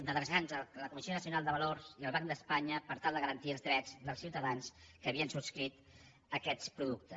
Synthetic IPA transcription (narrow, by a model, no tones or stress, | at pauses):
d̪əðɛzanzələkumisionəsiunalˠd̪əβəlorziəlˠβaŋd̪əspaɲəpəɾt̪alˠd̪əɣəɾənt̪iəlˠzðɾɛd͡zðəlˠsiwt̪əðanskəːβiənsupskɾit̪ | əkɛt̪spɾuðuk̚t̪ə